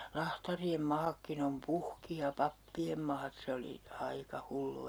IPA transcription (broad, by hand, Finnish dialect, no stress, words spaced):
lɑhtɑriem mɑːkːin om puhki jɑ pɑpːiem mɑːt se oli ɑikɑ hulːu